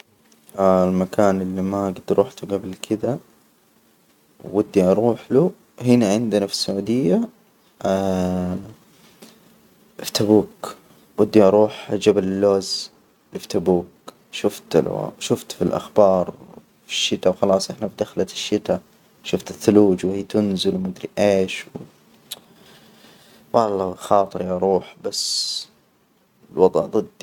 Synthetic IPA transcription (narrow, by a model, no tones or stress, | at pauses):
almakaːnɪlːimaɡɪd̪ɾʔuːħt̪uɡablkʰɪd̪a | wːad̪ːiʔɑɾˤuːħlu | hɪnaʕɪnd̪ɪnafi̥sːʊʕuːd̪ɪjːa | ft̪abuːk | wad̪ːiʔɑɾˤuːħd͡ʒabalɪlːoːz | lift̪abuːk̚ | ʃʊft̪la̰ʃʊft̪filʔa̰xbɑːɾˤ | fi̥ʃːɪt̪awxɑlɑːsˤʔɪħnafid̪axlat̪ʃːɪt̪a | ʃʊft̪ɪθːʊluːd͡ʒwhiːt̪ʊnzɪlwmad̪ɾiʔeːʃw | wɑlɑxɑːt̪ˤɨɾiʔɑɾˤuːħbasː | ɪlwɑd̪ˤʕd̪ˤɨd̪ːi